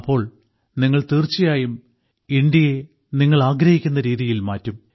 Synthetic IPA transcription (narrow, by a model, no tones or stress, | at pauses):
pːo̞ːɭ | niŋːɐɭt̪iːrt͡ɕːɐjaːjum | ind̪jɐje | niŋːɐɭaːɡɾɐhikʲːunːɐɾiːðijilmaːtːum